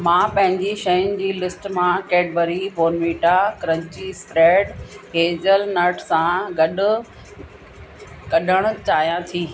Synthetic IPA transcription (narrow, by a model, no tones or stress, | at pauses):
mãːpɐ̃ɦɪ̃ɲd͡ʑiʃɐjʊnɪ̆d͡ʑiːlɪsʈmãkeːɖbəɾiʋoːnmiːʈakɾə̃ɲt͡ɕispɾeːɖɦeːd͡ʑəlnəʈsãɡɐɗʊ̆ | kɐɗəɽ̃ʊ̆t͡ɕaːɦijãt̪ʰiː